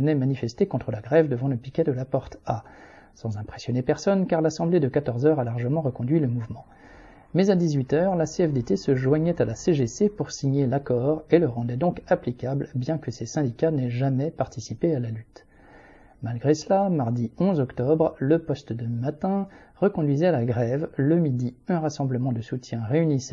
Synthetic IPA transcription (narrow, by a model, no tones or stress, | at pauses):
ənɛmanifɛst̪ekɔ̃t̪χəlaɡʁɛvd̪əvɑ̃ləpikʲɛd̪əlapɔʁt̪a | sɑ̃zɛ̃pχesjɔnepɛʁsɔnkaʁlasɑ̃bled̪əkat̪ɔʁzœʁalaʁʒəmɑ̃ʁəkɔ̃d̪ɥiləmuvmɑ̃ | mɛzad̪izɥit̪œːʁlaseɛfd̪et̪esəʒwaɲɛt̪alaseʒesepuʁsiɲelakɔʁeləʁɑ̃d̪ɛd̪ɔ̃kaplikʲablbjɛ̃kəsesɛ̃d̪ikʲanɛʒamɛpaʁt̪isipealalyt̪ | malɡʁesəlamaʁd̪iɔ̃zɔkt̪ɔbʁləpɔst̪d̪əmat̪ɛ̃ʁəkɔ̃d̪ɥizɛalaɡʁɛvləmid̪iɛ̃ʁasɑ̃bləmɑ̃d̪əsut̪jɛ̃ʁeynisɛ